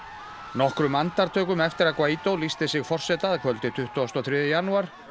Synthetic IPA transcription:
nɔhkɾʏmant̪aɾt̪ʰœːkʏmɛft̪ɪɾaðkvaːjt̪owlist̪ɪsɪɣfɔr̥sɛt̪aðkʰvœlt̪ɪt̪ʰʏht̪ɔst̪ɔθɾjɛːðʏjanuaɾ̥

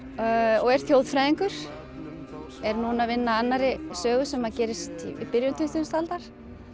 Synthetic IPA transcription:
ɔɣɛɾ̥θjowðfɾajðiŋkʏɾ̥ | ɛɾnunavɪnːaanːaɾɪsœːɣʏsɛmhaðcɛːɾɪst̪ḭipɪɾjʏnt̪ʰʏθʏst̪alt̪aɾ̥

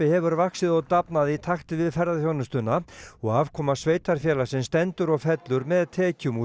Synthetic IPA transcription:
ɪhɛvʏɾvaksɪðɔɣt̪apnaðit̪ʰaxt̪ɪvɪðfɛɾðaθjownʏst̪ʏnːaɔɣaːvkʰɔːmasveːjt̪aɾ̥fjɛːlasɛnst̪ɛnt̪ʏɾɔɣfɛt̪lʏɾmɛðt̪ʰɛːcʏmu

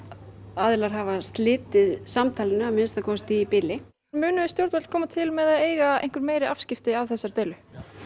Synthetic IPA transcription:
aːðɪlaɾ̥ɦavast̪lɪːt̪ɪðsamt̪ʰaːlɪnʏamɪnst̪aðkʰɔːst̪iipɪlɪ | mʏːnʏðɪst̪jowɾt̪vɛlkʰɔːmat̪ʰɪlmɛðaðeːjɣaḛjhŋ̥kʏɾmeːjɾɪafscɪft̪ɪavθɛsːaɾt̪eːjlʏ

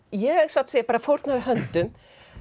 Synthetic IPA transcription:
jɛɛɣsat̪sɛpaːɾafowɾt̪naðɪɦœnt̪ʏm

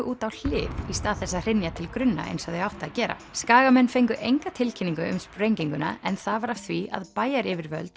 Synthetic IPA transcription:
ʏʔuːt̪awl̥ɪ̰ːvist̪aːðθɛsːaðr̥ɪnjat̪ʰɪlkɾʏnːa̰ʔḛjnsɔðeawht̪aːðcɛːɾa̰skaːɣamɛnːfejŋkʏʔejŋkat̪ʰɪlcʰɪniŋkʏʏmspɾejɲciŋkʏna̰ɛnθavaɾafθviʔa̰ðpaːjaɾɪvɪɾvœ̰lt̪

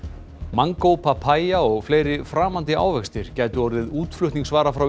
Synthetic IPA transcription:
maŋkowpʰapʰaːjaɔɣfleːjɾɪfɾaːmant̪ɪa̰ːwvɛkst̪ɪɾ̥cɛːjt̪ʏɔɾðɪðuːt̪flʏht̪niŋsvaːɾafɾaw

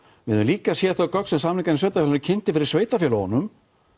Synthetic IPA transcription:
vɪðʏnliːkasjɛθœkœksɛmsamliŋkansveːjt̪afɛlnʏɾcʰɪnt̪ɪfɪɾɪɾ̥sveːjt̪afjɛlahɔnːʏm

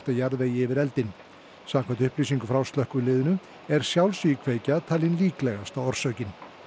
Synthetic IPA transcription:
t̪ajaɾðeːjɪɪvɪɾɛlt̪ɪn | samkʰvant̪ʏhpliːsiŋkʏfɾawst̪lœhkʏlɪːðʏnʏ | ɛɾ̥sjawlsikʰveːjcat̪ʰaːlɪnliːklɛɣast̪aɔɾ̥sœɥcɪn

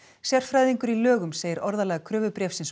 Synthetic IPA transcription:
sjɛr̥fɾajðiŋkʏɾilœːɣʏmseːjɪɾɔɾðalɛːɣakʰɾœːvʏpɾɛːfsɪns

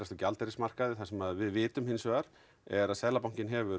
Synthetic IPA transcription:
ɛst̪ɔcalt̪ɛɾɪsmar̥kaðɪθasɛmaðvɪðvɪːt̪ʏmhɪnːsvœːɣaɾ | ɛɾaðsɛðlapawŋ̥cɪnɦɛvʏɾ

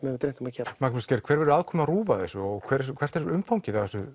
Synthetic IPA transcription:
mɛvɪt̪ɾen̥t̪umaðcʰɛːɾmaknʏscɛɾkʰvɛːɾvɛɾʏaːðkʰɔːmɪnaruːvaθɛsʏɔkʰvɛːɾɛkvɛr̥t̪ɛɾʏmfawɲcɪθaɛsʏ

